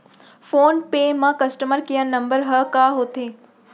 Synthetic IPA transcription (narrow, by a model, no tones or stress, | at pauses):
foːnpemãkɐsʈəməɾkijənnːɐ̃mbəɾɦəkaːɦoːt̪eː